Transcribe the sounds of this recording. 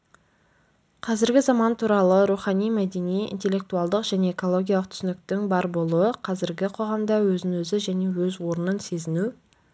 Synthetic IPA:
qʰɑzɪɾɡʲɪzɑmɑnt̪ʰuɾɑlˠəɾuχɑnijmæd̪e̞nijḭnt̪e̞lʲːe̞k̚t̪uɑlˠd̪əqʒ̥æne̞eko̞lˠo̞ɡʲijɑlˠəq̚t̪ʰʏ̥sɪnɪk̚t̪ɪŋbɑɾbo̞lˠuəqʰɑzɪɾɡʲɪqʰo̞ʁɑmd̪ɑwɵzɪnwɵzɪʒæne̞wɵzwo̞ɾənənse̞zɪnu

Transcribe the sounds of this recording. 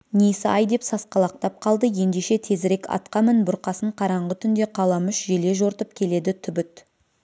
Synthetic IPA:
nejsɪɑjd̪e̞psɑsqɑlˠɑq̚t̪ɑp̚qʰɑlˠd̪əje̞nd̪eʃe̞t̪ʰe̞zɾe̞kɑ̰t̪qɑmɪnbʊɾqɑsəɴqʰɑɾɑɴʁət̪ʰʏnd̪e̞qʰɑlˠɑmʏʃʒe̞leʒo̞ɾt̪əp̚kʲʰe̞le̞d̪ɪt̪ʰʏbɪt̪

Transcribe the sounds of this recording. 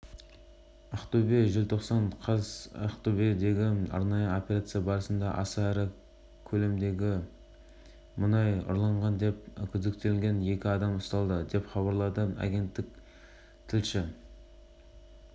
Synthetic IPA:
ɑqt̪ubeʒɪlt̪ʰo̞qsɑɴqʰɑzɑqt̪ubid̪e̞ɡʲɪɑ̰ɾnɑjəo̞pʲeɾat̪sɨjabɑɾəsənd̪ɑʔɑsɑæɾɪ | kʲʰɵle̞md̪e̞ɡʲɪ | mʊnɑjʊ̰ɾlˠɑɴʁɑnd̪e̞p̚kʲʰʏzd̪ek̚t̪elŋɡʲe̞nje̞kʲɪɑd̪ɑmʊst̪ɑlˠd̪əd̪e̞pχɑβɑɾlˠɑd̪əɑ̰ɡʲe̞nt̪ːɪk̚ʲ | t̪ʰɪlʃɪ

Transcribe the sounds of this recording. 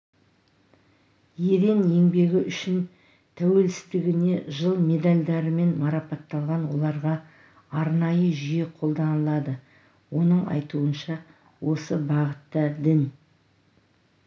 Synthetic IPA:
je̞ɾe̞ne̞ŋbe̞ɡʲɪʔʏʃɪn | t̪ʰæwe̞lsɪ̥st̪ɪɡʲɪne̞ʒəlˠme̞d̪alʲd̪ɑɾəme̞nmɑɾɑpɑt̪ːɑlˠʁɑnwo̞̰lˠɑɾʁɑ | ɑɾnɑjəʒijeqʰo̞lˠd̪ɑnəlˠɑd̪ə | wo̞nəɴɑ̰jt̪uənʃɑ | wo̞səbɑʁət̪ːɑd̪ɪn

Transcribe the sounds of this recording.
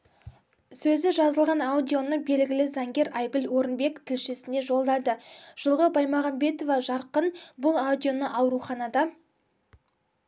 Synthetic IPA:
sɵzɪʒɑzəlˠʁɑnawd̪ʲijo̞nəbe̞lɡʲɪlɪzɑŋɡʲe̞ɾɑjɡʲʏlwo̞ɾənbe̞kt̪ʰɪlʃɪsɪne̞ʒo̞lˠd̪ɑd̪əʒ̥əlˠʁəbɑjmɑʁɑmbe̞t̪o̞vɑʒɑɾqənbʊlˠawd̪ʲijo̞nəʔɑwɾuχɑnɑd̪ɑ

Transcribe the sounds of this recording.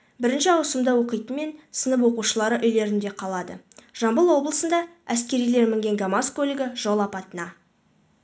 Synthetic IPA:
bɪɾɪnʃɪɑwsəmd̪əwo̞qəjt̪əme̞nsənəp̬wo̞quʃəlˠɑɾəʔʏjle̞ɾɪnd̪e̞qʰɑlˠɑd̪ə̰ | ʒ̥ɑmbəlˠwo̞blˠəsənd̪ɑæskʲe̞ɾijle̞ɾmɪŋɡʲe̞ŋɡamaskolʲɪɡʲɪʒo̞lˠɑpɑt̪ənɑ

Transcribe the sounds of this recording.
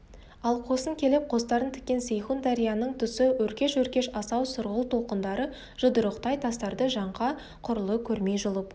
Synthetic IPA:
ɑlˠqʰo̞səŋkʲʰe̞lɪp̚qʰo̞s̬t̪ɑɾənt̪ʰɪ̥kʲːe̞nsejχund̪ɑɾijɑnəɴt̪ʰʏsɪwɵɾkʲe̞ʃwɵɾkʲe̞ʃɑsɑwsʊɾʁəlˠt̪ʰo̞lˠqənd̪ɑɾə | ʒ̥əd̪əɾəqt̪ɑjt̪ʰɑst̪ɑɾd̪əʒɑɴqɑ | qʰʊɾəlˠəkʲʰɵɾme̞jʒʊlˠəp

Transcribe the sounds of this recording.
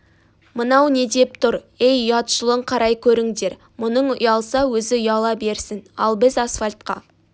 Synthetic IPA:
mənɑwne̞d̪e̞p̚t̪ʰʊɾ | ejʊjɑt̪ʃəlˠəɴqʰɑɾʔɑjkʲʰɵɾɪŋd̪e̞ɾ | mʊnəɴʊjɑlˠsɑwɵzɪʊjɑlˠɑbe̞ɾsɪnɑ̰lˠbɪzɑsfalʲt̪qɑ̰

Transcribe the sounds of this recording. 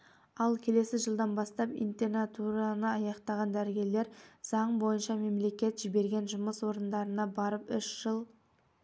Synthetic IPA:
ɑlˠkʲʰe̞le̞sɪʒəlˠd̪ɑnbɑst̪ɑpḭnt̪enat̪uɾɑnəɑjɑqt̪ɑʁɑnd̪æɾɡʲe̞le̞ɾz̥ɑɴbo̞jənʃɑme̞mle̞kʲe̞t̪ʒibe̞ɾɡʲe̞nʒʊməswo̞ɾənd̪ɑɾənɑbɑɾəpʏʃʒ̥əlˠ

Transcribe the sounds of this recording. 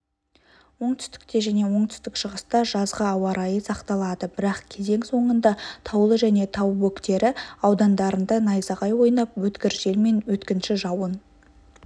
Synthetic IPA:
wo̞ɴt̪ʰʏ̥st̪ɪ̥kt̪e̞ʒæne̞wo̞ɴt̪ʰʏ̥st̪ɪkʃəʁəst̪ɑʒɑzʁəɑwɑɾɑjəsɑqt̪ɑlˠɑd̪əbɪɾɑqkʲʰe̞ze̞ŋso̞ɴənd̪ɑt̪ʰɑwlˠəʒæne̞t̪ʰɑwwɵkt̪e̞ɾɪɑwd̪ɑnd̪ɑɾənd̪ɑnɑjzɑʁɑjwo̞jnɑp̚wɵt̪kʲɪɾʒe̞lme̞nwɵt̪kʲɪnʃɪʒɑwən

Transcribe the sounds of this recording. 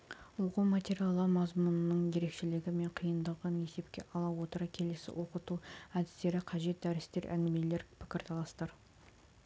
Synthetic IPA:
wo̞qumat̪ʲeɾijalˠəmɑzmʊnənəɴje̞ɾe̞kʃɪlɪɡʲɪme̞ɴqʰijənd̪əʁəne̞se̞pkʲe̞̰ʔɑlˠɑwo̞t̪əɾəkʲʰe̞lesɪ̰wʔo̞qət̪uæd̪ɪst̪e̞ɾɪqʰɑʒe̞t̪̚d̪æɾɪst̪e̞ɾʔæ̰ŋɡʲɪmele̞ɾpʰɪ̥kʲɪɾt̪ʰɑlˠɑst̪ɑɾ

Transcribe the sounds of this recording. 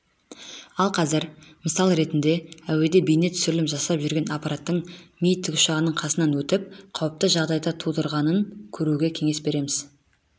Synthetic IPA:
ɑlˠqʰɑzɪɾməsɑlˠəɾe̞t̪ɪnd̪e̞æwe̞d̪e̞bijne̞t̪ʰʏ̥sʏɾlɪpʒɑsɑpʒʏɾɡʲe̞nɑpɑɾat̪ːəɴmijɪt̪ːɪkʲʊ̥ʃɑʁənəɴqʰɑsənɑnwɵt̪ɪp̚qʰɑwəp̚t̪əʒɑʁd̪ɑjd̪ɑt̪ʰud̪əɾʁɑnəŋkʲʰɵɾuɡʲe̞kʲʰe̞ŋe̞sbe̞ɾe̞mɪz̥

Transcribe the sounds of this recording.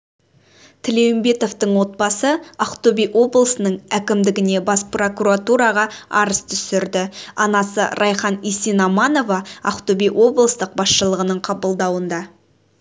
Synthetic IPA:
t̪ʰɪlewɪmbe̞t̪o̞vt̪əɴwo̞t̪̚bɑsəɑqt̪obijʔo̞blˠəsənəɴækʲɪmd̪ɪɡʲɪne̞bɑspro̞kuɾat̪uɾɑʁɑɑ̰ɾəst̪ʰʏ̥sɪɾd̪ɪɑnɑsə̰ɾʔɑjχɑnisinɑmɑno̞vɑɑqt̪obijʔwʔo̞blˠəst̪əq̚bɑsʃəlˠəʁənəɴqʰɑbəlˠd̪ɑwənd̪ɑ

